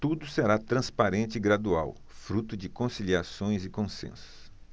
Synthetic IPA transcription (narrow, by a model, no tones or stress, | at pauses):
t̪ud̪ʊseɾat̪ɾɐ̃spaɾẽnt͡ʃɪːɡɾad̪ua̰w | fɾut̪ʊd͡ʒɪkõsiliasõj̃zɪkõsḛ̃sʊ̥s